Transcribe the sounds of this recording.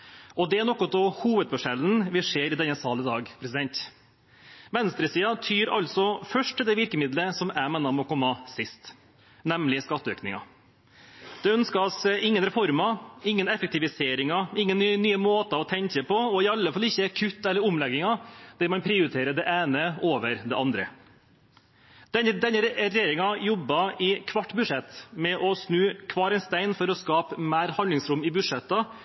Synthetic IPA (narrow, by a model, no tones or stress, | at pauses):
ɔd̪ɛæɳɔkːɔt̪̚ɔhuːʋəd̪̚bɔʂɛln̩ʋɪʂeːɾɪd̪ɛnːəsɑːləd̪ɑːɡpʰɾɛsɪd̪ɛnt̪ | ʋɛnst̪ɾəsiːɑt̪ʰyːɾɑ̰lt̪sɔfœʂʈ̪ʰːɪld̪ɛʋɪɾkəmɪd̪ləsɔmæɪmɛːnɑmɔkʰɔmːəsɪst̪ | nɛmlɪskɑt̪ːəø̰ːknɪŋɑ̰ | d̪̥ɛœnskɑsɪŋːənɾɛfɔɾmɑɪŋːənɛfək̚t̪ɪʋɪseːɾɪŋɑɪŋːənnːyːəmoːt̪ɑɔt̪ʰɛŋkəpʰɔɔɪɑlːəfɑlːɪçːəæɾkʰʉt̪ːɛlːəɾʊmlɛɡːɪŋɑd̪̥ɛːmɑnpʰɾɪːʊɾɪt̪ʰeːɾəd̪ɛʔæːnəoːʋəɾd̪ɛ̰ʔɑnd̪ɾə̰ | d̪̥ɛd̪ɛnːəɾɛjeːɾɪŋɑjɔbːɑɪkʰʋɑʈːbʉʂɛt̪ːmɛʔɔsnʉːkʰʋɑːɾɛɪnst̪æɪnfɔɾɔskɑːpmæːɾhɑnd̪lɪŋsɾʊmɪbʉʂɛt̪ːɑ